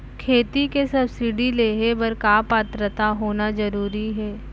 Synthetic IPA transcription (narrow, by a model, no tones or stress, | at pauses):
kʰeːt̪ikesɐbsɪɖileːɦebɐɾkaːpat̪ɾət̪aɦoːnazɐɾuːɾiɦɛː